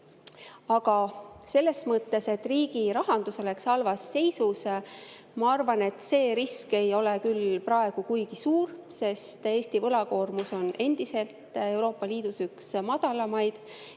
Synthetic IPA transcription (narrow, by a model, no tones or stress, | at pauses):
ɑɡ̥ɑse̞lːe̞smɤt̪ːe̞se̞t̪ːˑriːɡiɾɑɦɑnd̪usele̞ksɑlvɑsːe̞jsus | mɑɑrvɑne̞t̪ːˑse̞ːɾiske̞jo̞le̞kylprɑe̞ɡ̥ukujɡ̥isuːr | se̞st̪e̞ːsʲt̪ivɤlɑko̞ːrmuso̞nʔe̞nd̪ise̞lt̪e̞wɾo̞ːpːˑɑliːd̪̥usyksmɑd̪̥ɑlɑmɑjd̪̥